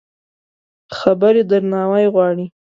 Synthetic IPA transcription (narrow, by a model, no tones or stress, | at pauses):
xabaɾed̪əɾnɑwajɣwɑɽi